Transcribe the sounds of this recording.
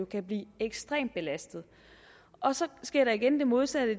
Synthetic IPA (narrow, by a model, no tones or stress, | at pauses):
o̝kʰæb̥liːeɡ̥sd̥ʁɛ̰ːmd̥̚be̝læsd̥ð̩ˠ | ʔɒ̽sɒ̽sɡ̥eɐ̰ɾɑiɡ̥end̥e̝mo̝ð̞ˠsæd̥ə